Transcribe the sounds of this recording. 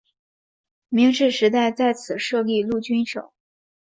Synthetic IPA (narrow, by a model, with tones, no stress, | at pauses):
mi˧˥ŋʈ͡ʂɻ̩˥˩ʂɻ̩˧˥t̪a˥˧ɪt͡sa˥˩ɪt͡sʰɹ̩˨˩ʂɤ˥˧li˥˧lu˥˩t͡ɕy˥nʂo˨˩˦ʊ